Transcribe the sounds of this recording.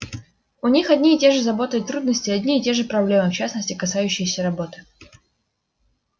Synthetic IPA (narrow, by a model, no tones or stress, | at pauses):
ʊnʲixɐdʲnʲiːtʲe̞ʐɨzɐbo̞t̪əjɪt̪ːɾud̪nəsʲtʲɪɐdʲnʲiɪtʲe̞ʐɨpɾɐblʲe̞mɨft͡ɕasnəsʲtʲɪkɐsajʉɕːɪjəsʲəɾɐbo̞t̪ɨ̥